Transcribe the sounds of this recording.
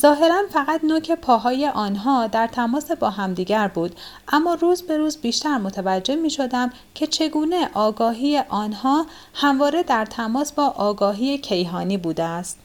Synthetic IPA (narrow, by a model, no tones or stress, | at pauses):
z̥ɒːɦe̞ɾænfæɣæt̪noːcʰepʰɒːɦɒːje̞ʔɒːnɦɒːd̪æɾt̪ʰæmɒːsebɒːɦæmd̪iːɟæɾbuːd̪̥ʔæmːɒːruːzbe̞ɾuːzbiːʃt̪æɾmot̪ʰævæd͡ʒːe̞miːʃo̞d̪æm | cʰe̞t͡ʃʰe̞ɡuːne̞ʔɒːɡɒːɦiːeʔɒːnhɒː | hæmvɒːɾe̞d̪æɾt̪ʰæmɒːsbɒːʔɒːɡɒːɦiːjecʰe̞jɦɒːniːbuːd̪eæst̪